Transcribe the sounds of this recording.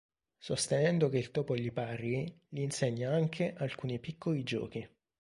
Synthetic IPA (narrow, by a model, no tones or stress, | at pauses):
sost̪enɛnd̪ok̟eilt̪ɔːpoʎipariʎiːnseɲːaaŋkʰeʔalkuːnipikʰːolid͡ʒɔ̰ːk̟i